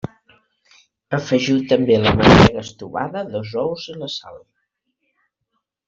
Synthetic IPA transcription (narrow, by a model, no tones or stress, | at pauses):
əfəʒiwt̪əmbeləmənɛɣəst̪uβa̰ðəðɔzɔwzənləsa̰lˠ